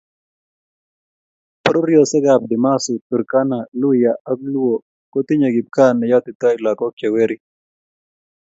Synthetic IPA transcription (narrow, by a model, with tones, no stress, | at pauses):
pɾu˦ɾjo˨sɛ˦ɡa˨b̚d̪ɪ˨ma˦su˨t̪u˨ɾka˦na˨lu˦ja˨ʔa˦klu˦o˨ | ko˦t̪i˦ɲa˨ɡi˨b̚ka˦nɛ˨jɔ˦t̪ɪ˨t̪ɔ˦ila˨kɔ˦kje˨we˦ɾi˦